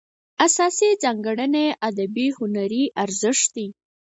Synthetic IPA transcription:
asɑsid͡zɑŋɡaɽəneʔad̪abihʊnaɾiʔaɾzəʂt̪d̪i

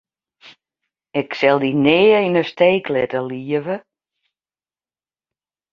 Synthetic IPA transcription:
ɪksɛlˠdinɪːinəsteːklɛtəliəvə

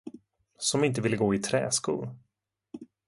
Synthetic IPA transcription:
sɔmɪnt̪əvɪlːəɡoːɪt̪ʰɾɛ̰ːskṵːl

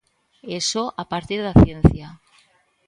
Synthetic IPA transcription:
esoʔapaɾt̪iɾðaθjen̟θja

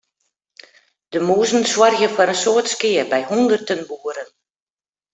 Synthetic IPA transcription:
d̥əmuːzən̩swɔrɣjəfaɾənsoːətskɪərbɛjhundərtənbuːəɾən

